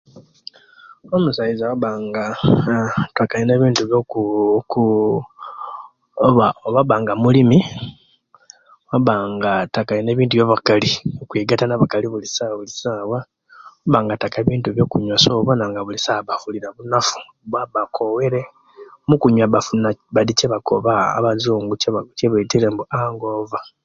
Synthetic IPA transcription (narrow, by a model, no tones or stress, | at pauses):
o̞musajizawaβaːŋɡa | takaline̞ːβiːntuβjok | aβaβaːŋɡamulimi | waβaːŋɡatakaline̞ːβiːntuβjoβakaliokwiːɡatanaβakaliβulisaβulisaːwa | waβaːŋɡatakeβiːntuβjo̞ːkuɲwasoβanaŋɡaβulisaβafuliɾaβunafu̥ | βwaβakʰo̞we̞ɾe | mukuɲwaβafunaβadiceβakʰo̰βa̰ːβazuːŋɡut͡ʃeβat͡ʃeβetilembuaŋɡoːva